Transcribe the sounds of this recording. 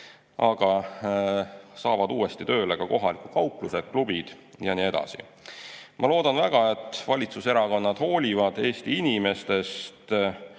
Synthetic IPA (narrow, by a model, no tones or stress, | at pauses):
ɑɡ̥ɑ | sɑːvɑd̪uːe̞st̪it̪ø̞ːlekɑko̞ɦɑlikukɑuwkluse̥klub̥id̪̥ | jɑnie̞d̪̥ɑ̰sḭ | mʔɑlo̞ːd̪̥ɑnvæɡ̥ɑe̞t̪ːˑvɑlʲit̪suse̞ɾɑko̞nːɑd̪̥ho̞ːlʲivɑd̪̥e̞ːst̪iinime̞st̪e̞st̪